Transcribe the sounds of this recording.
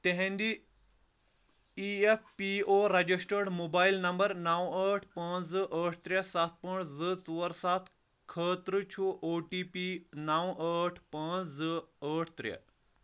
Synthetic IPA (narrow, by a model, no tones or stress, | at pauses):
t̪eɦẽnd̪i | iefpioːɾɐd͡ʑisʈəɾɽmoːbaːilnɐmbəɾnawəːʈʰpãːzɨʔəːʈ̚ʰt̪ɾjɐsat̪̚pəɳzɨt͡suʋɐɾsat̪ʰ | kʰəːt̪ɾɨt͡ʃʰuʔoːʈiːpinawəʈʰpãːt͡szɨəːʈʰt̪ɾɐ̰